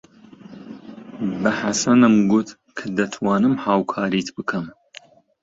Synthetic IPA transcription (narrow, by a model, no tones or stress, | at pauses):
bɨħasɐnɨmɡut̪ | kʰɐd̪ɐt̪ʰwɑːnɨmhaːwkʰɑːɾit̪ʰbɨkʰɐm